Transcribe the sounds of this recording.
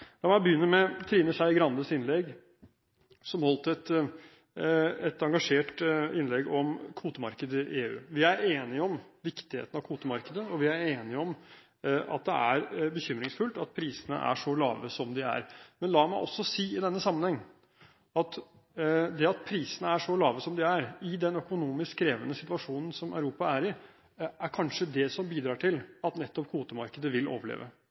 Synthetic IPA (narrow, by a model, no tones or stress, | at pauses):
d̪̥ɑmæbəjʏnːəɾmɛt̪ʰɾiːnəʂæɪɡɾɑnd̪əsɪnlɛɡ | sɔmhɔlt̪əɛt̪ | ɛt̪ɑŋɡɑʂeːʈɪnlɛɡɔmkʰʋuːt̪əmɑɾkəd̪əɪʔeːʉ̰ːʋɪæɾeːnɪɔmʋɪkt̪ɪhḛːt̪nɑʋkʰuːt̪əmɑɾkəd̪əɔʋɪæɾeːnɪɔm | ʔɑ̰t̪̚d̪ɛ̰ʔæɾbəçʏmːɾɪŋsfʉlt̪ɑt̪̚pʰɾiːsənə̰ʔæ̰ʂɔlɑːʋəsɔmd̪ɪæ̰ɾmɛnlɑːmæɪʔɔ̰sːɔsiːɪd̪ɛnːəsɑmːənhɛŋː | ɑt̪ | d̪ɛɑt̪̚pʰɾiːsənəæʂɔlɑːʋəsɔmd̪ɪæɾɪd̪ɛnœkʊnuːmɪskkːɾeːʋənəsɪt̪ʋɑʂuːnn̩sɔmœ̰ʉɾuːpɑæɾɪ | æɾkʰɑnʂəd̪ɛsɔmbiːd̪ɾɑːʈʰɪlɑt̪nɛt̪ːɔp̚kʰuːt̪əmɑɾkəd̪əʋɪlʔo̰ːʋəɭḛːʋə